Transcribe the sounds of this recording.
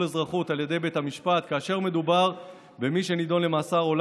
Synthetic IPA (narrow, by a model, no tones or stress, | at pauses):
ezʁaχutaljed̪e̞jbe̞thamiʃpat̪kaːʃe̞ʁme̞d̪ubaʁ | be̞miʃe̞nid̪o̞nle̞maːsaʁo̞l